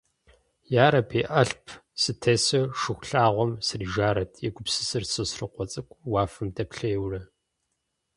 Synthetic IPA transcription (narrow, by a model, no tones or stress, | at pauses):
jaːɾɐpʰeːʔɐɬpʰsɨtʰeːsɨʂɨxʷɬaːʁʷɔmsɨriʒaːɾɐtʰjɛɡʷʊpsɨsɨrsɨsrɨqʷɔt͡sʼɨkʷʼwaːfɨmdʰɐpɬɐjɛwrɐ